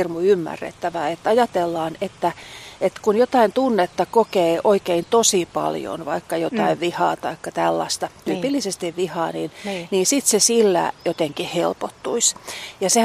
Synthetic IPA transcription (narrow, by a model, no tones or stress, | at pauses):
rmuymːæ̰rːḛt̪ːæʋæet̪ːɑjɑt̪elːɑːnet̪ːæet̪kunjot̪ɑint̪unːet̪ːɑkokeːʔoikeint̪osipɑ̰ljo̰nʋɑikːɑjot̪ɑiʋʋihɑ̰ːt̪ɑikːɑt̪ælːɑ̰st̪ɑt̪yːpilːisest̪iʋʋihɑːniːnniːnsit̪sesilːæ̰jot̪eŋkihhḛlpot̪ːuisjɑse